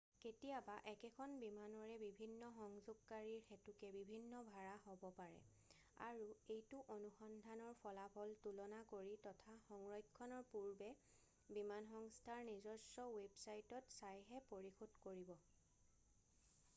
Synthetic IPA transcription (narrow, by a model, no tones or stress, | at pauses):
ketijabaʔɛkɛkʰɔnbimanɔɹɛbibʱinːɔxɔŋzʊɡ̚kaɹiɹxɛtukɛbibʱinːɔbʱaɹaɦobɔpaɹɛ̰ | a̰ɹuejtuʔonuxɔndʱanɔɹpʰɔlapʰɔltulɔnakoɹitɔtʰaxɔŋɹɔjkʰːɔnɔɹpuɹbɛ | bimanxɔŋstʰaɹnizɔsɔwebsajtɔtsajɦɛpoɹixʰodkoɹibɔ